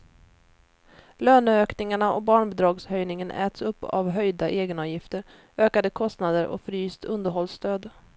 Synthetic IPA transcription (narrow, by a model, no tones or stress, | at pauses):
løːnəøːknɪŋaɳaʔɔbɑːɳbɛd̪ɾɑːɡshœjnɪŋənʔɛ̰ːt̪sɵpːa̰vɦœjd̪aʔeːɡənɑːvjɪft̪əɾ | øːkad̪əkʰɔst̪nad̪əɾɔ̰fɾyːst̪ʰɵnd̪əɾɦɔlst̪øːd̪